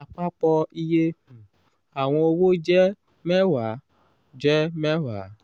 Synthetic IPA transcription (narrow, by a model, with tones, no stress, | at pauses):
k͡pa˦k͡pɔ˦i˦je˦˨ | a˨w̃ɔ̃˧o˧wo˦d͡ʒɛ˦ | mɛ˦wa˨˦ | d͡ʒɛ˦mɛ˦wa̰˨˦